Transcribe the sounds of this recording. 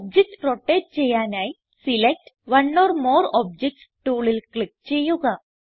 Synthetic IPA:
ɔb̚d͡ʑek̚ʈɾɔʈet͡ɕejanaj | silek̚ʈʋənːɔɾmɔɾɔb̚d͡ʑek̚ʈsʈoɭilkɭik̚t͡ɕejoɡa

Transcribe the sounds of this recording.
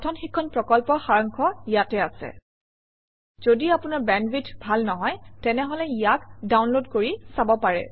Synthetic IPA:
tʰɔnxikʰːɔnpɹɔkɔlpɔxaɹɔŋkʰɔijatɛasɛ̰ | z̥odiapʊnaɹbɛnbitʰbʱalnɔɦɔjtɛnɛɦɔlɛijakdawnlodkoɹisabɔpaɹɛ̰

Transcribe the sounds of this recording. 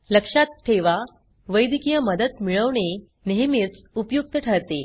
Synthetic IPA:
ləkʂat̪̚ʈʰeʋa | ʋəjd̪ikijəməd̪ət̪miɭəʋɳ̃e | neɦmet͡s | upjuk̚t̪əʈʰəɾt̪e

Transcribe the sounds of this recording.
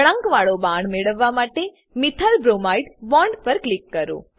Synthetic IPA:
ɽə̃ŋkʋaɭobaɳmeɭəʋːamaʈe | mɪt̪ʰəlbɾomaiʈbɔɳɖpəɾklikːəɾo̰ː

